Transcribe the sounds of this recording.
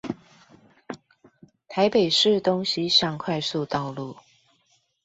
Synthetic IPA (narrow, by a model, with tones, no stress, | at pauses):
t̪ʰa˧˥ɪpe˨˩ɪʂɻ̩˥˨t̪ʊ˧˥ŋɕi˧˥ɕjɑ˥˧ŋkʰwa˥˧ɪsu˥˧t̪ɑ˥˧ʊlu˥˩